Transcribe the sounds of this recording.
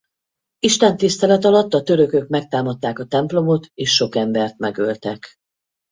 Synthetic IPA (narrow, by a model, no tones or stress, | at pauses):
iʃt̪ɛnt̪ist̪ɛlɛt̪ɒlɒt̪ːɒt̪ø̞ɾø̞kø̞kmɛk̚t̪aːmɒt̪ːaːkɒt̪ɛmplo̞mo̞t̪eːʃːo̞kɛmbɛrt̪mɛɡølt̪ɛk